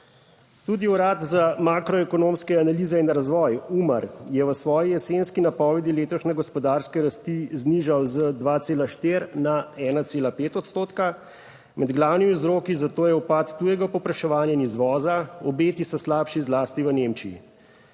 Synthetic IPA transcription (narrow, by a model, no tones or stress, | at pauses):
t̪uːd̪iuɾaːt̪zamakɾɔɛkɔnoːmskɛanaliːzɛinɾazʋɔːjumaɾjɛʋəsʋɔːjijɛsenskinapɔːʋɛd̪ileːt̪ɔʃnɛɡɔspɔd̪aːɾskɛɾast̪izniʒawzəd̪ʋaːt̪seːlaʃt̪eːɾnaɛːnat̪seːlapeːt̪ɔt̪st̪oːt̪ka | mɛd̪ɡlaːwnimizɾoːkizat̪oːjɛupaːt̪ːuːjɛɡapɔpɾaʃɛʋaːnjainizʋɔːzaɔbeːt̪isɔslaːpʃizlaːst̪iʋənemt͡ʃiḭ